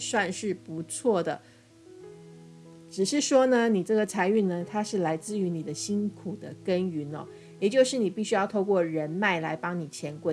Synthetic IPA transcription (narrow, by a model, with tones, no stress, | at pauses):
swa˥˧nʂɻ̩˥˩pu˧˥t͡sʰwɔ˥˩d̪ə˩ | ʈ͡ʂɻ̩˨˩ʂɻ̩˥˩ʂwɔ˥nə˧ni˨˩ʈ͡ʂɤ˥˩ɡə˩t͡sʰa˧˥ɪy˥˩nnə˨t̪ʰa˥ʂɻ̩˥˩la˧˥ɪt͡sɹ̩˥˩y˧˥ni˨˩d̪ə˦ɕi˥nkʰu˨˩d̪ə˦kə˥ny˧˥nɔ̰˧ | jɛ˨˩t͡ɕjo˥˧ʊʂɻ̩˥˩ni˨˩pi˥˩ɕy˥jɑ˥˧ʊt̪ʰo˥˧ʊkwɔ˥˩ɻə˧˦˥nma˥˩ɪla˧˥ɪpɑ˥ŋni˨˩t͡ɕʰjɛ˧˥nkwe˥˩